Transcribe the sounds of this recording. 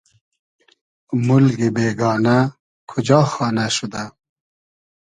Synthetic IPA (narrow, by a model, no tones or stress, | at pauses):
mʊlɡibeːɡɑːna | kʰʊd͡ʑɑːxɑːnaʃud̪a